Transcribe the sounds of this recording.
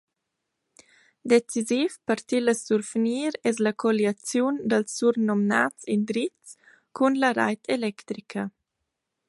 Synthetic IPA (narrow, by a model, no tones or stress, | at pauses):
d̪et͡sizifpəɾt̪iləsuɾfniːɾɛsləkʰɔljat͡sjund̪əlsːuɾnɔmnat͡sind̪ɾit͡st͡s | kʰunləɾa̰jt̪ʰelɛkt̪ɾikʰə